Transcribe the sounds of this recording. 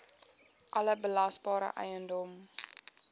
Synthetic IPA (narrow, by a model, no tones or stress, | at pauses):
ʔɐləbəlɐsbɑːɾə̰ʔɛ̰jəndɔm